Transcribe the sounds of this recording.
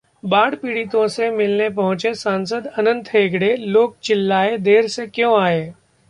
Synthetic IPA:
baːɽpiːɽit̪õsemɪlnepəɦũt͡ʃesansəd̪ənənt̪ʰɦeːɡɽeloːk̚t͡ɕɪlːaed̪eːɾsekjõaːɦeː

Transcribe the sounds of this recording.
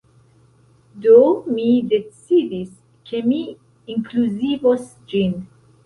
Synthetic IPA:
d̪omid̪ɛtsiðis | kʰemi | ĩŋkʰluzivɔs | d͡ʒĩn

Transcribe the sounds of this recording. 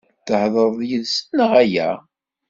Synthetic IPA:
θəhðˤəɾˤðˤjəðsənəʁæjæ̰

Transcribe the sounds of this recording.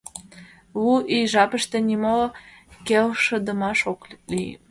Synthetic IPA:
uʔijʒɑpə̆ʃt̪ĕnimokelʃə̆d̪ə̆mɑʃoklij̰

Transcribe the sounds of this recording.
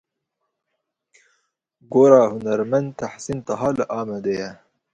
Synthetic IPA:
ɡoːɾɑːhunɐɾmand̪̚t̪ʰaħsint̪ɐɦɑːlɨʔɑːmad̪ejɛ

